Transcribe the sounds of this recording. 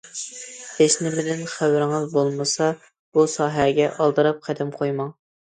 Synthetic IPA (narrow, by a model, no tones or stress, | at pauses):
eʃnɪbɪd̪ɪnχæwɾɪŋɨzbolˠmɨsɑ | b̥usɑːɦæɡʲɛʔɑlˠd̪ɨɾɑp̚qʰæd̪ɪmqʰojmɑŋ